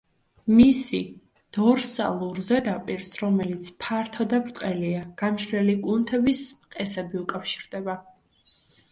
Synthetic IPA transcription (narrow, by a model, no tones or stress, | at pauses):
misḭ | d̪̥ɔɾsa̰lˠuɾzɛd̪apʼiɾsɾɔmɛlit̪sʰpʰaɾt̪ʰɔd̪apbɾt̪ʼqʼɛliaɡ̥amʃɾɛliɡʼunt̪ʰɛbismqʼɛsɛbiukʼafʃi̥ɾd̪ɛba